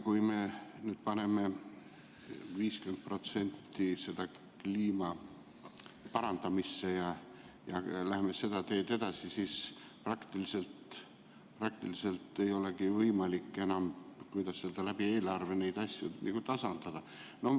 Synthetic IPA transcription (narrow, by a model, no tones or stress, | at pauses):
kujme̞nyːd̪̥pɑne̞me̞ | viːskyment̪̚pro̞t̪se̞nʲt̪ːise̞d̪̥ɑ | kliːmɑ | pɑɾɑnd̪̥ɑmisːe̞jɑ | jɑlæheme̞se̞d̪̥ɑt̪e̞ːd̪e̞d̪̥ɑsisiːs | prɑkt̪ilise̞lt̪ | prɑk̚t̪ilise̞lt̪ːe̞jo̞le̞ɡivɤjmɑlikːˑe̞nɑmkujd̪ɑsːeld̪ɑlæb̥ie̞ːlɑrve̞ne̞jd̪̥ɑsʲjunʔḭkut̪ɑsɑnd̪̥ɑd̪̥ɑ | no̞